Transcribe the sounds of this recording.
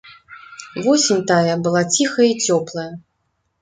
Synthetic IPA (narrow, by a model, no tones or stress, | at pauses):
vɔsʲinʲt̪ajɐbɨlˠat͡sʲixɐjit͡sʲɔplˠɐjɐ